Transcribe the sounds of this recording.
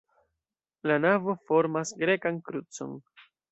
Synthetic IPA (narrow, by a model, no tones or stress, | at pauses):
lanavo̞fo̞ɾmasɡɾe̞kankɾut͡so̞̰n